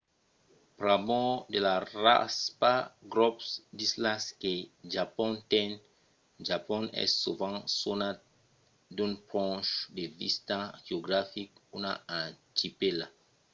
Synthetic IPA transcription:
pɾabɔ̃d̪elara̰spaɡɾɔpsd̪islaskeʒapɔ̃nt̪ɛ̃n | ʒapɔ̃nɛ̰ssuvãsona | d̪ũnpɾɔ̃ʃd̪evḭst̪aʒeoɡɾafikunaãt͡ʃipela

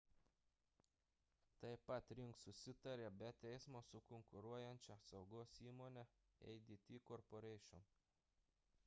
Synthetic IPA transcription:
t̪ɐɪpɐt̪ɾʲɪŋksʊsʲɪt̪ɐɾʲebʲɛt̪ʲɛɪsmoːsʊkɔŋkʊɾuɔjɛnʲt͡ʃʲɛsɐʊɡoːsiːmoːnʲɛ | ɛ̰ɪd̪ʲit̪ʲiːkɔɾpoɾʲɛɪʃʲʊm

